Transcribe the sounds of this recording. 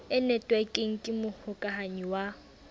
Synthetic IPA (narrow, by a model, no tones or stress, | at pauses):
ɪnɛtʼwɛkʼɪŋ̩kʼɪmʊhʊkʼaɦaɲiwa